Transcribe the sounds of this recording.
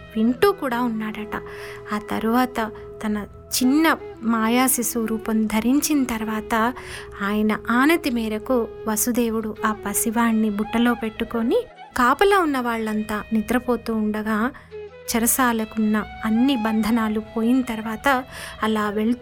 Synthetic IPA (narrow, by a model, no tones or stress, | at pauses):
ʋiɳʈuːkuːɽaːunːaːɽɐʈɐaːt̪ɐɾuʋaːt̪ɐ | t̪ɐnɐ | t͡ʃinːɐmaːjaːsisuːɾuːpɐmd̪ʱɐɾiɲt͡ʃinɐt̪ɐɾuʋaːt̪ɐ | aːjɐnɐʔaːnɐt̪imeːɾɐkuʋɐsud̪e̞ːwuɽuaːpɐsiʋaːɳːibuʈːɐlo̞ːpe̞ʈːuko̞ni | kaːpɐloːunːɐʋaːɭːɐnt̪aːnid̪ɾɐpo̞ːt̪uːɳɖɐɡaː | t͡ʃɐɾɐsaːlɐkunːɐɐnːibɐnd̪ʱɐnaːlupo̞ːjinɐt̪ɐɾuʋaːt̪ɐːlaːʋe̞ɭu